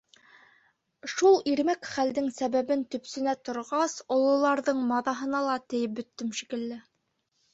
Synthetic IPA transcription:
ʃulˠiɾmækχæld̪ɘŋsæβæβɘnt̪ɵ̆psɘ̆næt̪ŏɾʁɑsŏlˠŏlˠɑɾðɤɴmɑðɑɦɤ̆nɑlˠɑt̪ɘ̆jɘp̚bɵ̆t̪ːɘmʃikɘ̆lːɘ

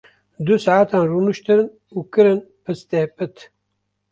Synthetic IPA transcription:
d̪usaat̪ʰaːnruːnuʃt̪ɨɾɨn | ukɨɾɨnpʰɨst̪ehpɨt̪ʰ

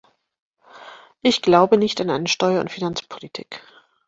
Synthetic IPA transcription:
ʔɪçɡ̥laʊbənɪçtanʔaɪnəʃtɔʏɐʊ̰ntfinant͡spʰo̥litʰḭːk

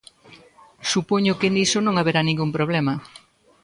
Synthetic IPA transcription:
supoɲʊkenisonõŋaβeɾanĩŋɡuŋpɾoβ̞lɛmɐ

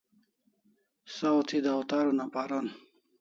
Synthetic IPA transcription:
sat̪ʰid̪awt̪aɾunapaɾon

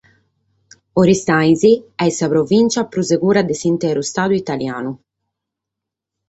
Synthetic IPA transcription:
oɾist̪ajziɛsapɾovint͡ʃapɾuzeɡuːɾad̪esint̪ɛːɾust̪aːd̪uit̪alja̰ːnu

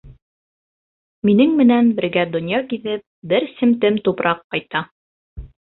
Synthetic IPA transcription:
minɘŋmɘ̆nænbɘ̆ɾɡæd̪ŏnʲjɑkiðɘp̚bɘɾsɘ̆mt̪ɘmt̪upɾʔɑqːɑjt̪ɑ

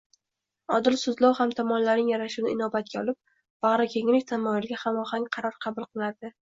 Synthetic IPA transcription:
ɒd̪ɪlsʊzlˠɒwhamt̪ʰɒmɒnlaɾnɪŋjaɾaʃʊnɪɪnɒbat̪̚kʲaɒlˠɪp̚ | b̥ɑʁɾakʲʰeŋlɪkʲt̪ʰamːɒjɪlɡʲahamɒhaŋʲqʰɑɾɒɾqʰɑbʊlˠqʰɨlˠaɾd̪ɪ

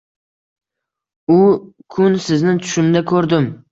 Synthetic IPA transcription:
ʊkʰʊnsɪznɪŋt̪ʰʊ̥ʃɪmd̪akʰɵɾd̪ɪm

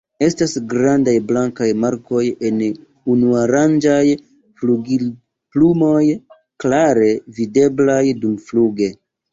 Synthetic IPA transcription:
e̞stasɡɾandajblaŋkajmaɾko̞je̞n | unuaɾand͡ʒaj | fluɡil | plumo̞j | klaɾe̞vide̞blajdumfluɡe̞

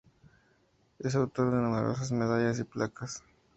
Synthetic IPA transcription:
es̬ot̪oɾɣanumeɾo̞̰s̬azmeðaʝas̬iplakas

